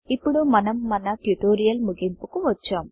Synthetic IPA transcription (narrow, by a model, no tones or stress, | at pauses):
ɪpːɔɽɯːɐnɐmːɐnaʈjʊʈːoːɾɪjɐlmʊɣɪmpɯkːɯʋɐt͡ʃːɐːm